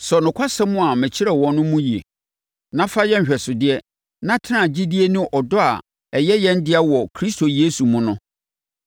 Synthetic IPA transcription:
sɔ˨nʊ̃˨kʷʰa˦sɛ̃˦mʊ̃˦a˨mɛ̃˨t͡ɕʰi˦ɾɛ˨wɔ̃˨nʊ̃˦mũ˦ji˨ḛ˨ | nã˦fa˦jɛ̃˦˨ɕᶣɛ˨sʊ˨dɪ˦ɛ˦ | nã˦tʰɪ˦nã˦˨d͡ʑi˦di˦e˦nʊ̃˦ʔɔ˨dɔ˦a̰˨ | ɛ˨jɛ˦jɛ̃˦ndɪ˦a˦wɔ˨kʰɾi˦stʰo˨je˦su˨mʊ̃˦nʊ̃˦

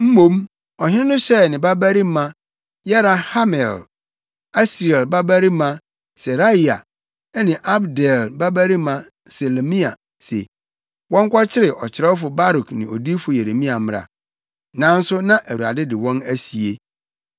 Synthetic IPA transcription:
m̩˦mõ˦m | ɔ˨hɪ̃˦nɪ̃˦nʊ̃˦ɕɛ˦˨nɪ̃˨ba˦bæ˦ɾi˦mã˦ | jɛ˦ɾa˨ha˦mɛ˨l | a˦sɾɛ˨lba˦bæ˦ɾi˦mã˦ | sɛ˨ɾa˦i˨a̰˨˦ | nɪ̃˨ʔa˦bdɛ˨lba˦bæ˦ɾi˦mã˨ | se˨le˨mĩ˦a̰˨ | sɛ̰˨ | wɔ̃˦ŋ˦kʷa˦t͡ɕʰɪ˦ɾɪ˨ʔɔ˨t͡ɕʰɪ˨ɾɛ˦wɔ˦fʊ˨ba˦ɾu˨knɪ̃˨o̰˨di˦fʊ˨je˨ɾe˨mĩ˦a˨m˦ɾa̰˨ | nã˨˦n̩˦sʊ˦nã˦ʔæ˨wu˨ɾa̰˨dɪ˦dɪ˨wɔ̃˦næ˦si˨e˦

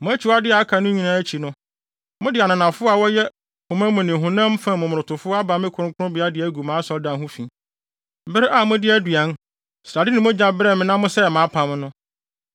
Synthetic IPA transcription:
mʊ̃˦æ˦t͡ɕʰi˨wa˦dɪ˦a˨a˦kʰa˨nʊ̃˦ɲĩ˨nã˦æ˦t͡ɕʰi˨nʊ̃˦ | mʊ̃˦dɪ˨a˨nã˨nã˨fʊ˦a˨wɔ˦jɛ˦ | hʊ̃˨mã˦mʊ̃˨nɪ̃˨ɦʊ̃˨nã˦m˦fã˦˨mʊ̃˨mʊ̃˨ɾʊ̃˨tʰʊ˨fʊ˦a˦ba˨˦mɪ̃˦kʰʊ˨˦ɾʊ̃˦kʰʊ˦ʊ̃˦bɪ˨˦a˦dɪ˨æ˦ɡu˨mãː˨˦sɔ˨ldã˨ɦʊ̃˦fĩ˨ | bɪ˦ɾɪ˦ʔa˦˨mʊ̃˦dɪ˦æ˦dɥa˨˦n | sɾa˨dɪ˦nɪ̃˨mʊ̃˦d͡ʑã˨bɾɛ˦˨mɪ̃˨nã˦mʊ̃˦sɛ˦˨mãː˨˦pʰã˨mnʊ̃˦

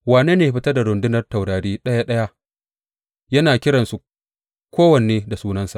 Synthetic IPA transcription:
waː˨neː˦neː˨ɸɪ˦tɐ˦da˨ɽʊ˨ndɪ˦nɐ˨rta˨wɽaː˨ɽiː˦ɗɐ˦ja˦ɗɐ˦ja˦ | jɐ˦naː˨kʲɪ˦ɽɐ˨nsu˨ | kʷoː˦wɐ˨n˨eː˦da˨suː˦nɐ˦nsa˨ʔ

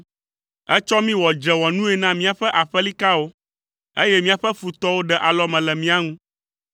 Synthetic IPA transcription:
ɛ˦t͡ʃɔ˦mĩ˦wɔ˨d͡ʒɛ˨wɔ˨nũ˦ɛ˨nã˦mĩ˦a˨ɸɛ˦ʔa˨ɸɛ˦li˦ka˦wo˦ | e˦jɛ˦mĩ˦a˨ɸɛ˦fu˨t̪ɔ˦wo˦ɖɛ˨ʔa˨lɔ˦mɛ̃˨lɛ˨mĩ˦a˦ŋũ˦

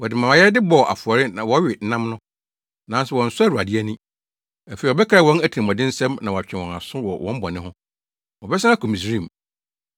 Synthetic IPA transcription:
wɔ˨dɪ˨mã˨ma˨jɛ˦ɾdɪ˦bɔ˨ʔa̰˨fʊ˨ɔ˨ɾɪ˦nã˨wɔ˨˦ɥɪ˨˦nã˦mnʊ̃˦ | nã˨˦n˦sɛ˨wɔ̃˨n̩˨sʊ˦a˦ɾu˨a˨dɪ˦æ˦nĩ˦ | æ˨fe˨i˨ɔ˨bɛ˦kʰɾa˨wɔ̃˦næ˦tʰĩ˨mɔ̃˨dɪ̃˦n̩˦sɛ̃˦mnã˨wɔ˨a˨t͡ɕᶣɛ̃˨wɔ̃˨na˨sʊ̃˦wɔ˨wʔɔ̃˦m˦bɔ˨nɪ̃˦ɦʊ̃˦ | wɔ˨bɛ˦sã˦a˦kʰu˨mĩ˨s̬ɾĩ˦˨m

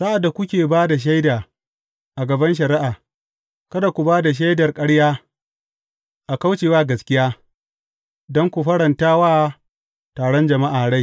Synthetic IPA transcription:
sa˦ʔa˨dːa˨kʷʊ˦kʲeː˨baː˦da˨ʃ̬a˦jdaː˨ | ʔa˨ɡɐ˨bɐ˦nʃ̬ɐ˨ɾɪ˦ʔaː˨ | kɐ˦da˨kʷu˨baː˦da˨ʃ̬a˦jdɐ˨rkʼɐ˦ɽjaː˦ | ʔa˨ka˦wt͡ʃeː˨waː˦ɡɐ˨skʲɪ˦jaː˦ | dɔ˦ŋkʷu˨ɸɐ˦ɽɐ˨ntaː˦waː˦ | taː˨ɽɔ˦nd͡ʒɐ˨ma˦ʔaː˨ɽa˦j

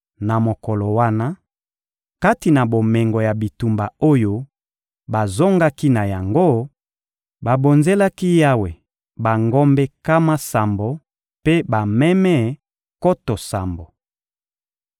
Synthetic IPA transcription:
na˨mo˨ko˨lo˨wa˦na˦ | ka˦ti˨na˨bo˨mɛ˨ŋɡo˨ja˨bi˨tu˨mba˨o˦jo˦ | ba˨zo˦ŋɡa˦ki˦na˨ja˨ŋɡo˦ | ba˨bo˨nze˦la˦ki˦ja˦we˨ | ba˨ŋɡɔ˦mbɛ˦ka˦ma˦sa˨mbo˨ | pe˦ba˨mɛ˦mɛ˦˨ | ko˦to˨sa˨mbo˨

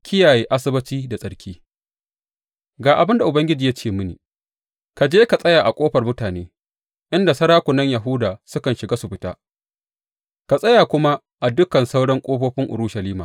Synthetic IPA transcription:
kʲɪ˦jaː˨jeː˦ʔa˦sɪ˦bɐ˦t͡ʃiː˦da˨sʼɐ˨ɽkʲʰiː˦ | ɡaː˨ʔa˨bɪ˦nda˨ʔʊ˨bɐ˦ŋɡʲɪ˦d͡ʒiː˨ja˦t͡ʃeː˦˨mʊ˦nḭː˨ | ka˨d͡ʒeː˦ka˨sʼɐ˦jaː˨ʔa˨kʷʼoː˦ɸɐ˨rmʊ˦taː˨neː˦ | ʔɪ˦nda˨sɐ˦ɾaː˦kʷʊ˨nɐ˦ɲja˨ɦʊ˦daː˨sʊ˦kɐ˨nʃɪ˨ɡaː˦sʊ˨ɸɪ˦ta̰ː˦ | ka˨sʼɐ˦ja˨kʷʊ˦ma˦ | ʔa˨dʊ˦kɐ˨nsa˦wɽɐ˦ŋkʷʼoː˦ɸoː˦ɸɪ˦ŋʔʊ̰˨ɾʊː˦ʃɐ˨liː˦maː˨

